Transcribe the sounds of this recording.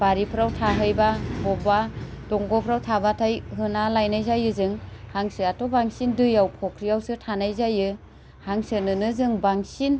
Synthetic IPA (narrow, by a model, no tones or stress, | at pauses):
baɾipʰɾawtʰaɦɯjbabɔbadɔŋɡɔpʰɾawtʰabatʰajɦɯnalajnajzajɯzɯŋhaŋsɯatɔbaŋsindɯjawkʰɔkʰɾijawsɯtʰanajzajɯ | haŋsɯnɯnɯzɯŋbaŋsin